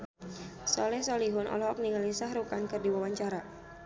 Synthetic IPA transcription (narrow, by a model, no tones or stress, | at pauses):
sɔlɛsɔliɦʊnʔɔ̰lɔɦɔk̚niŋəlisahɾukankɨrdiwawaɲt͡ʃaɾa